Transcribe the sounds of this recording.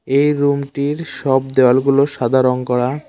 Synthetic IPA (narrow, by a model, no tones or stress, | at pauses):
ejɾumʈiɾʃɔbd̪ɛalɡuloʃad̪ʱaɾonkɔɽa